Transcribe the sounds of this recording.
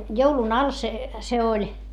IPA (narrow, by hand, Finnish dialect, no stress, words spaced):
joulun ɑl se se olʲ